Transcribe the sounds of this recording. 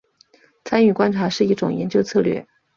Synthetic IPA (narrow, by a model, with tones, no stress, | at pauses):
t͡sʰa˥ny˥˨˩kwa˥nʈ͡ʂʰa˧˥ʂɻ̩˥˧i˥˩ʈ͡ʂʊ̰˨˩ŋjɛ̰˧˥nt͡ɕjo˥ʊt͡sʰɤ˥˧lɥɛ̰˥˩